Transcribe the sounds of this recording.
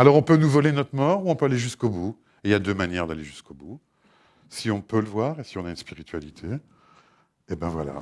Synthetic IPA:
alɔʁɔ̃pønuvɔlenɔt̪χmɔʁuɔ̃pøaleʒyskobu | ejad̪ømanjɛʁd̪aleʒyskobu | siɔ̃pøləvwaʁesiɔ̃naynspiʁit̪ʰɥalit̪ʰe | ebɛ̃vwa̰la̰

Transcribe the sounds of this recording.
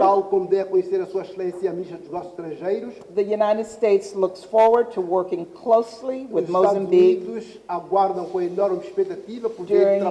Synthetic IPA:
alˠkõmud̪ɛvɐkuɲseɾɐsuɐʃlˠẽsjɐmiʃɐd̪uʒnɔsu̥z̥ʃt̪ɾɐ̃ʒejɾuʃðɨjunaɪɾɨd̥steɪtslʊksfɔɹwə˞d̚tʰəwɜ˞kɪ̃ŋkʰl̥oʊsliwɪðmoʊzaãmbiiðuʃ | ɐɡwaɾðɐ̃w̃kõenɔɾmɨʃpɛk̚t̪ɐt̪ivɐpuðdeʊɹ̃ŋɾ

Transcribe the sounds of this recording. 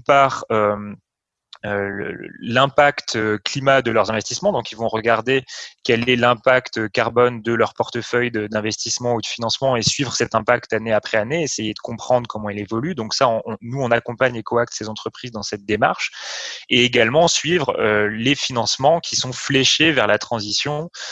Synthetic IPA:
paːʁøm | ølə̰lɛ̃pakt̪øklimad̪əlœʁzɛ̃vɛst̪ismɑ̃d̪ɔ̃kilvɔ̃ʁəɡaʁd̪ekɛlɛlɛ̃pakt̪kaʁbɔnd̪əlœʁpɔʁt̪əfœjd̪əd̪ɛ̃vɛst̪ismɑ̃ud̪əfinɑ̃smɑ̃esɥivʁəsɛt̪ɛ̃pakt̪aneapχɛaneesejed̪əkɔ̃pχɑ̃d̪ʁəkʰɔmɑ̃ilevɔlyd̪ɔ̃ksaɔ̃nuɔ̃nakɔ̃paɲlekɔak̚t̪sezɑ̃t̪χəpχizd̪ɑ̃sɛt̪̚d̪ema̰ʁʃeeɡalmɑ̃sɥivʁølefinɑ̃smɑ̃kʲʰisɔ̃flɛʃevɛʁlat̪χɑ̃zisjɔ̃

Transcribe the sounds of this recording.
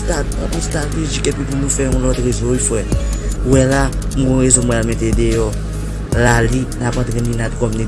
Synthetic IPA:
stat | ũstateʒikɛpĩpunũfɛũlɔtɣezoifwɛ | wɛla | mũɡɔ̃ɣezomɔ̃almɛ̃tedejɔ | lalinapãtɣɛ̃nĩnatkɔmni

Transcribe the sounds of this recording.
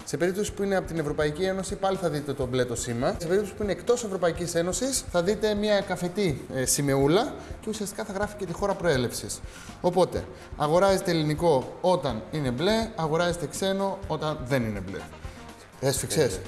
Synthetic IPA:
se̞pe̞ɾip̚t̪o̞si̥puineɐpo̞t̪ine̞vɾo̞pɐicie̞no̞sipɐliθɐðit̪et̪o̞ble̞t̪o̞simɐsepe̞ɾipt̪osi̥puine̞ːkt̪o̞se̞vɾo̞pɐicise̞no̞sisθɐðit̪e̞mɲɐkɐfe̞t̪isime̞ulɐce̞usiɐst̪ikɐθɐɣɾɐfi̥ce̞t̪ixo̞ɾɐpɾo̞e̞le̞fsis | o̞po̞t̪e̞̰ | ɐɣo̞ɾɐze̞t̪eliniko̞ot̪ɐnine̞ble̞ɐɣo̞ɾɐze̞t̪ekse̞no̞o̞t̪ɐnðe̞nine̞blḛ | esfikses

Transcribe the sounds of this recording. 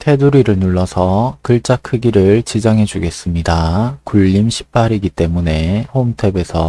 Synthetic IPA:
tʰe̞duɾiɾɯɭnuɭːʌsʰʌkɯɭt͡ɕ͈akʰɯɡiɾɯɭt͡ɕid͡ʑaŋɦe̞d͡ʑuɡe̞s͈ɯmɲidakuʎːimɕʰi̥p͈̚ʰaɾiɡit͈emune̞homtʰe̞be̞sʰʌ

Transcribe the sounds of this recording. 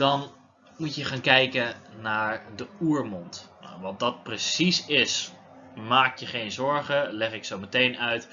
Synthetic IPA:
d̥ɔn | mutjəχaːnkɛjkənaːɹdəuːɹmɔntna̰ʋɑt̚dɑt̚prəsisɪs | maːk̚tjəχejnzɔɹχəlɛχɪksowmətejnœɥt

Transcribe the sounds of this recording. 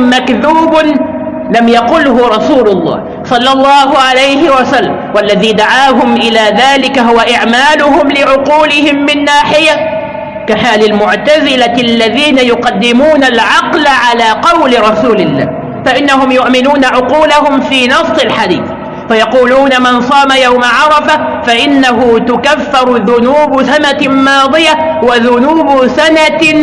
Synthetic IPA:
makðuːb | lamjaqʊlɦʊɾˤɑsuːlʊlˤːɑ̰ːh | sˤɑlːɑlˤːɑːɦʊʕalajhɪwasalːa̰mwalːaðiːd̪aʕaːɦʊmʔɪlaːðaːlɪkaɦʊwaʔɪʕmaːlʊɦʊmlɪʕʊquːlɪhɪmːɪnːaːħɪja | kaħaːlɪlmʊʕt̪azɪlalːaðiːnajʊqɑd̪ːɪmuːnalʕɑqlaʕalaːqɑwlɾˤɑsuːlɪlːa̰ːh | faʔɪnːahʊmjʊʔmɪnuːnaʕʊquːlaɦʊmfiːnɑsˤːɪlħad̪ḭːθ | fajɑquːluːnamɪnsˤɑːmajawmaʕɑɾˤɑfa | faʔɪnːaɦʊt̪ʊkafːɪɾˤðʊnuːbsanatmɑːðˤɨja | waðʊnuːbsana

